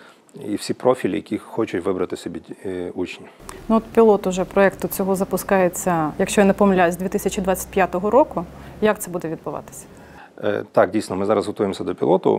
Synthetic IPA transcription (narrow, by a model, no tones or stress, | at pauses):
ḭwsʲipɾɔfʲilʲḭjɐkʲixɔt͡ʃʊtʲʋɪbɾɐt̪ɪsʲebʲiut͡ʃnʲ | nuoɔt̪pʲilˠɔt̪ʊʒɛpɾɔɛkt̪ʊt͡sʲɔɦɔzɐpʊskɑjet͡sʲːɐjɐkʃt͡ʃɔjɐnɛpɔmlʲazʲd̪ʲʋʲit̪ɪsʲɐt͡ʃʲid̪ʋat͡sʲːɐ̥t̚ʲpʲjat̪ɔɦɔɾɔkʊ | jak̚t̪sɛbud̪ɛʋʲid̪̚bʊʋɑ̰t̪ɪ̥sʲɐ̥̰ | t̪ɑk̚dʲijsnɔmɪzɑɾɐzɦɔt̪ujemsʲɐd̪ɔpʲilˠɔt̪ʊ̰